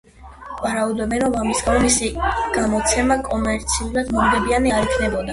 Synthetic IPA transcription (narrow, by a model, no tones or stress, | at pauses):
vaɾaud̪ɔbɛnɔvamisɡanɔmisiɡ̥amɔt̪sʰɛmakʼɔmɛɾt̪sʰiuɾad̪mɔmɡɛbianiaɾikʰnɛbɔd̪a